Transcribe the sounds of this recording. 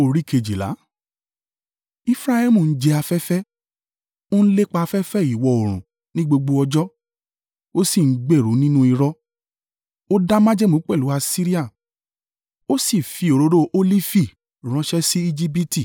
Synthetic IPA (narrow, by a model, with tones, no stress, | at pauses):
o˨ɾi˦kʰe˧˨d͡ʒi˨la̰˨˦ | i˦fɾa˦hɛ˦mũ˦˨n̩˦d͡ʒe˧a˧fɛ˦fɛ˦ | o˦n̩˦le˦k͡pa˧a˧fɛ˦fɛ˦i˨wɔ˨˧o˨ɾ̃ũ˨ | nĩ˦ɡ͡bo˧ɡ͡bo˧ɔ˧d͡ʒɔ˦ | o˦si˦˨ŋ̩˦ɡ͡be˦˨ɾu˨˦nĩ˦nũ˦i˧ɾɔ˦ | o˦da˦mã˦d͡ʒɛ˦mũ˨˦k͡pɛ˦˨lu˨˦a˧si˦ɾi˦a˦˨ | o˦si˦˨fi˧˦o˨ɾo˧˦ɾo˦ʔo˦li˦fi˦˨ | ɾ̃ã˨˦ʃɛ˦si˦i˦d͡ʒi˦bi˦ti˦˨